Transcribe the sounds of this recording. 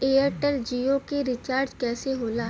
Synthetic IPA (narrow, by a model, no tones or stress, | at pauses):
eːəɾʈəld͡ʒiːokeɾɪt͡ʃaːɾd͡ʒkɛːseɦoːlaː